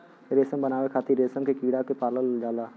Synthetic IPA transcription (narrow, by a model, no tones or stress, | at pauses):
ɾeːsəmbənaːwekʰaːt̪iɾeːsəmkekiːɽakepaːləld͡ʒaːlaː